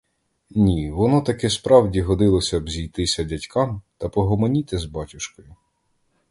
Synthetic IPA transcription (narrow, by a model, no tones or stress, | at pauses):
nʲiʋɔnɔt̪ɐkɛspɾɑwdʲiɦɔd̪ɪlˠɔsʲɐbzʲijt̪ɪsʲɐdʲɐtʲkʰɑmt̪ɐpɔɦɔmɔnʲit̪ɪzbɑtʲʊʃkɔjʊ